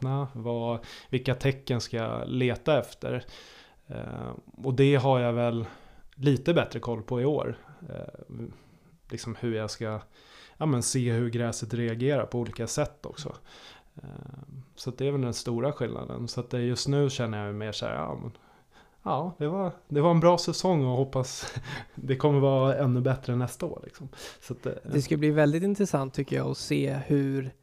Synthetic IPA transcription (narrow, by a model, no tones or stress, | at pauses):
avavɪlkːat̪ʰɛkːənskaaa̰leːt̪aɛft̪ə̰ɾ̰ | ɔd̪ɛɦaɾjavɛlːiːt̪əbɛt̪ɾəkʰɔlːpʰɔɪo̰ːɾ | lɪksɔmhɵɾjaska | ʔaːmɛnseːɦɵɾɡɾɛːsət̪ɾɛaɡeːɾaɾpʰɔuːliːkasɛt̪ːɔ̰ksɔ̰ | sat̪̚d̪ɛæɾvɛld̪ɛnst̪uːɾaɧɪlnʔa̰d̪ə̰nsat̪ːjɵst̪nʉ̟ːɕɛnːəjajmeːʂæ̰ːɾɑ̰ːmɛ̰n | ɑːd̪ɛvaɾd̪ɛvaɾɛnbɾɑːsɛsɔŋːɔhɔpːas | d̪ɛkʰɔmːəɾvɑːɛnːɵbɛt̪ɾəɛnːɛst̪ao̰ːɾɭɪ̰ksɔmsat̪d̪ɛskɵlːbliːvɛld̪ɪt̪ɪnt̪ɾɛsant̪ʰːʏkːəjɑ̰ːɔseːhʉɾ